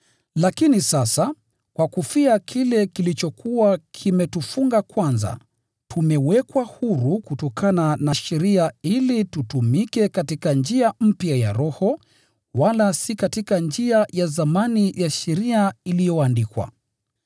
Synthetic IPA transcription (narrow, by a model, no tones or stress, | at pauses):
lakinisasa | kwakufiakʰilɛkilit͡ʃɔkʰuwakʰimɛtufuŋɡakwanza̰ | tʰumɛwɛkwahuɾukutɔkʰananaʃɛɾiailitutumikɛkatikand͡ʒiam̩pjajaɾɔhɔ | walasikatikand͡ʒiajazamanijaʃɛɾiailijɔandikwa̰